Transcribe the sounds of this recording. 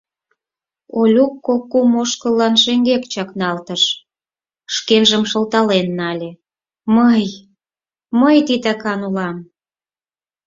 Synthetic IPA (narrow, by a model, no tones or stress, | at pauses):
olʲukːokːumoʃkə̆lːɑnʃeŋɡekt͡ɕɑknɑlt̪əʃ | ʃkenʒəmʃəlt̪ɑlenːɑlʲĕ | məj | məjt̪it̪ɑkɑnulɑm